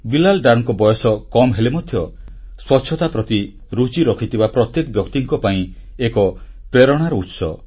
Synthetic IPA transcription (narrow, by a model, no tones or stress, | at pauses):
bilalɖaɾŋkɔbɔjɔsɔkɔmɦelemɔd̪ʱjɔswɔtːt͡ʃʰɔt̪apɾɔt̪i | ɾut͡ʃiɾɔkʰit̪ʰibapɾɔt̪jekɔbjɔkt̪iŋkɔpaĩ | ekɔ | pɾeɾɔɽ̃aɾɔut̪sɔ